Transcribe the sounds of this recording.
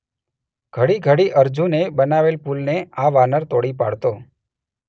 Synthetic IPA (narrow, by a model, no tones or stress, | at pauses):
ɡ̥ʱəɽiɡʱəɽiʔəɾd͡ʒũnebənaʋelpulneaʋanəɾt̪oɽipa̰ɽt̪o